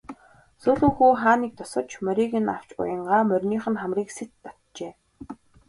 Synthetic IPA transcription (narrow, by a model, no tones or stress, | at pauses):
suːɮuːxuːχaːniːk̚t̪ʰʊsə̆t͡ɕʰmœɾʲiːɣɘ̆na̰w̥t͡ɕʊ̰jə̆ɴɢaːmœrʲniːχɘ̆nχæmriːkset̪ːɔt̪t͡ɕeː